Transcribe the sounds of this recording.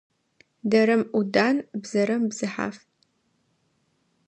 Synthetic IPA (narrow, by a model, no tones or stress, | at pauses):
dɐɾɐmʔudaːnbzɐɾɐmbzɨħa̰ːf